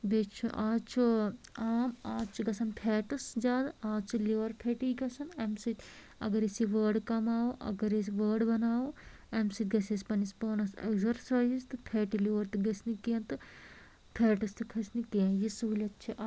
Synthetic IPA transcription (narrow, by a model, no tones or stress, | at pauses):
bet͡ʃʰuʔaːt͡ʃʰuaːmaːt͡ʃʰuɡɐsʰɐnpʰɛːʈɐsd͡ʒaːd̪aːt͡ʃʰuliʋɐɾpʰeːʈiɡɐsɐnemsit̪ʲ | ɐ̰ɡɐɾesiʋəːɾɖkɐmaːuʔɐ̰ɡɐɾeʋəːɾɖbɐnaːwu | emsɨt̪ʲɡɐseːspɐnispoːnɐsḛkzɐɾsaːzzt̪ɨpʰeːʈiliʋɐɾt̪ɨɡɐsnikeːnt̪ɨ | pʰeːʈɐst̪ɨkʰɐsnikẽːjisuulʲɐt̪t͡ʃʰiʔ